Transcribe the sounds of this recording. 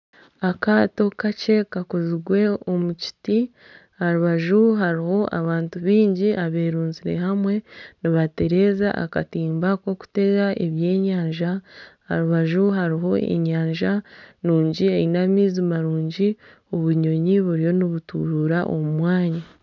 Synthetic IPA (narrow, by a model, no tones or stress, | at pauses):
akato̞kace̞kakoziɡwe̞omuci̥ti | haɾuβaʒuɦaɾiho̞ʔa̰βaːntuβiːɲɟiʔaβe̞ːɾuːnziɾe̞̰hamwe̞niβate̞ɾe̞ːza̰ʔa̰ka̰tiːmbakwo̞ku̥te̞ɡaʔeβjeːɲaːɲʒaha̰ɾuβaʒuɦaɾiɦo̞ḛɲaːɲʒanuːɲɟieinamiːzimaɾuːɲɟi | oβuɲo̞ɲiβuɾijo̞niβutuɾuːɾaʔo̞̰mumwaːɲa